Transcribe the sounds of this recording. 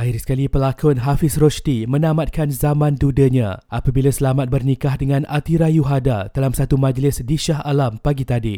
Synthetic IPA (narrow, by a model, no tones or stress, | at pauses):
ʔaɪrsə̥kalipəlakʊnɦafɪsroʃt̪imə̃nãmãt̪̚kanzamãndudəɲã̰ʔapabilasəlamat̪̚bərnikahdəŋãnat̪iɾajuɦadad̥alamsat̪umãd͡ʒlɪsdiʃaɦalampaɡit̪adi